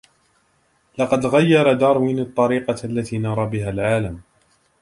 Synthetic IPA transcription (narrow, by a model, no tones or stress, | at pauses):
lɑqɑd̪ɣajːɑɾˤɑd̪ɑːɾˤwinɑt̪ˤːɑɾiːqɑalːat̪iːnɑɾˤɑbɪɦaːlʕaːlam